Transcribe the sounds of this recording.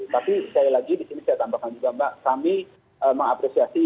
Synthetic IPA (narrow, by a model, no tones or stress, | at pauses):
t̪apikailaɡidisinisajat̪ambakand͡ʒuɡambaʔkami | əməŋapɾesiasi